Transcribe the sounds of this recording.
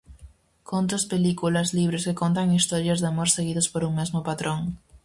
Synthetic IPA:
kʰont̪̬ospelikulazliβ̞ɾɪskekont̪aŋist̪ɔɾjazðamoɾseɣiðospoɾuŋmezmʊpat̪ɾʔoŋ

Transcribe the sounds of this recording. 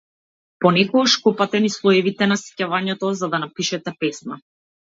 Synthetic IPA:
pɔnɛkɔɡɔʃkɔpat̪ɛnislˠɔɛvit̪ɛnasɛ̥cavaɲɛt̪ɔzad̪anapiʃɛt̪ɛpɛsna

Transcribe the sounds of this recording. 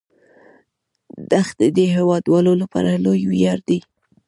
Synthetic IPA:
d̪axd̪əd̪eɦewɑd̪wɑlolapɑ̰ɾalojwijɑɾd̪i

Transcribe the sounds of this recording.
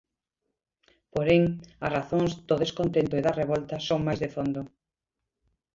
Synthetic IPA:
poɾeŋɐsraθoŋzd̪oðeskont̪ent̪oeðɐreβɔlt̪ɐsoŋmajzðefond̪o

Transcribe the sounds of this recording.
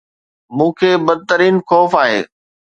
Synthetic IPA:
mũːkʰeːbɐd̪̚t̪əɾiːnxɔːfaːɦḛː

